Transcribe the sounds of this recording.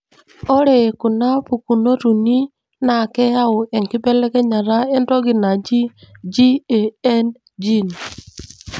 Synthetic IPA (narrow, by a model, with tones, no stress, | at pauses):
o˦ɾe˨ku˨na˦pu˨ku˨no˦ɾu˨ni˦ | na˨kɛ˦ja˦ʊ˨ʔɛ˨ŋkɪ˦bɛ˦lɛ˦kɛ˦ɲa˨ɾa˦e˦ndɔ˦ɡi˨na˨d͡ʒi˦d͡ʒi˦e˨ɛ˦n | d͡ʒi˦˨n